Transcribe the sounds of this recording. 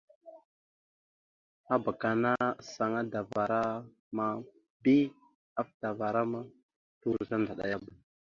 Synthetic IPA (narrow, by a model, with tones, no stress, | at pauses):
a˦ba˨ka˨na˦sa˨ŋa˦da˨va˨ɾa˦ | ma˦ | bi˦ | a˦fd̥a˨va˨ɾa˦ma˦ | tu˦ɾza˦nda˨ɗa̰˨ja˦ba˨